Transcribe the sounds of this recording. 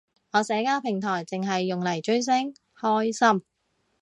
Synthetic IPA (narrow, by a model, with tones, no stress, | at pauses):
ŋɔː˨˧sɛː˨˧˥kaː˥wpʰɪ˨˩ŋt̪ʰɔː˨˩jt͡sɪ˨ŋɦɐ˨jːʊ˨ŋlɐ˨˩jt͡ʃɵ˥ɥs̬ɛ˥ŋ | hɔː˥jsɐ˥m